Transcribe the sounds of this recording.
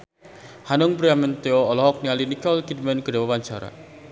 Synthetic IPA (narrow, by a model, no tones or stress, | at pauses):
hanʊŋbɾiamɛnt̪eoɔlɔɦɔk̚nialinikɔlkid̚mɛnkədawapant͡ʃaɾa̰